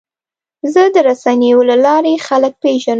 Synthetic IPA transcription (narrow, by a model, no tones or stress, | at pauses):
zəd̪əɾasanejolalɑɾexalək̚peʒan